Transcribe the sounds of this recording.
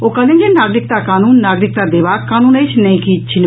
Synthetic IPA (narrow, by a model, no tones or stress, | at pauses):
okalend͡ʑenaɡɾik̚t̪akanunːaɡɾik̚t̪ad̪ebakanunejt͡ʃnejkit͡ɕʰin